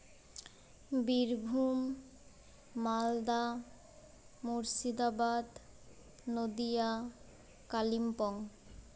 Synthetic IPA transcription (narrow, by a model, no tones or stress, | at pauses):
biɾbʱum | ald̪a | muɾsid̪abad̪ | nod̪ija | kalimpɔŋ